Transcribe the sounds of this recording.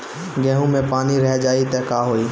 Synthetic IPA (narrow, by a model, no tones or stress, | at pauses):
ɡɛ̃ːɦũmẽpaːniɾɛɦd͡ʒaːit̪ɛkaːɦoːiː